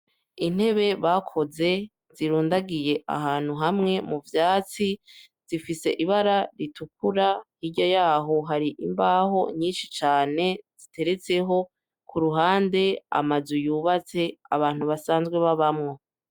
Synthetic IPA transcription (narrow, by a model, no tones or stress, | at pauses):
in̥he̞βe̞βakʰo̞ze̞ | z̥iɾuːndaɡije̞ʔa̰ɦaːn̥huɦamŋe̞muvjaːt͡si | z̥ifise̞ʔiβaɾaɾitʰukuɾahiɟojaːɦo̞ɦaɾiʔimbaho̞ɲiːnʃit͡ʃaːne̞z̥itʰe̞ɾe̞t͡se̞ɦo̞ | kʰuɾuɦaːnde̞a̰mazujuːβat͡se̞a̰βaːn̥huβasaːnzɡwe̞βaβamŋo̞